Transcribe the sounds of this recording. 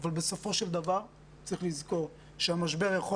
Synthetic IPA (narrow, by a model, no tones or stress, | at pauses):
valbeso̞fo̞ʃeld̪avaʁ | t͡sʁiχlizko̞ʁ | ʃeamaʃbe̞ʁjaχo